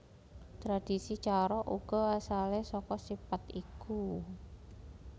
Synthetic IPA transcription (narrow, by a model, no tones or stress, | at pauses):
t̪ɾad̥isit͡ʃaɾɔʔuɡ̥ɔ̤asalehsɔkɔsipat̪iku